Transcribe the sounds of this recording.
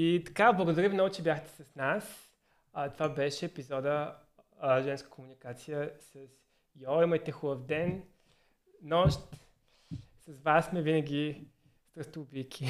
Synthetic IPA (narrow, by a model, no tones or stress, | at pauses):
it̪ɐ̥kablˠəɡoʊd̪ɐɾʲivimnɔɡʊt͡ʃɛbʲjaxt̪ɛ̥sɐsnas | t̪ovabɛʃɛːpizɔd̪ə | ʒɛnskə̥komunikat̪sijəsɐs | jɔimɐjt̪ɛxulˠəfd̪ɛn | nɔʃt̪ | sɐzvasːmɛvinəɡʲi | st̪ɾəst̪ubikʲʰi